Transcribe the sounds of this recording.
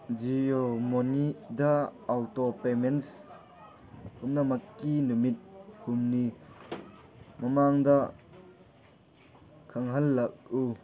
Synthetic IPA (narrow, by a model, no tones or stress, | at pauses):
d͡ʒijɔmɔnid̪aːwtɔpemɛns | humnamɐkːinumit̪̚humni | mɐmaŋd̪a | kʰɐŋɦɐlːɐk̚u